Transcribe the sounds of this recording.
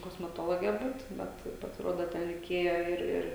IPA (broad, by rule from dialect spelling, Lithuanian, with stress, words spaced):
koːsʲmʲɛˈtoːlˠoːɡʲɛ ˈbuːt ˈbʲɛt pɐsʲɪˈruɔdoː ˈtʲɛn rʲɛɪˈkʲeːjɛ ˈɪr ˈɪr